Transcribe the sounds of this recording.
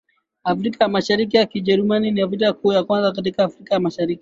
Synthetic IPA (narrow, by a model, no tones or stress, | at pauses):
ʔafɾikajamaʃaɾik̬ijakid͡ʒɛɾmaniniaf̬ɾitaakuːjakwanzakat̬ikaːfɾikajamaʃaɾiki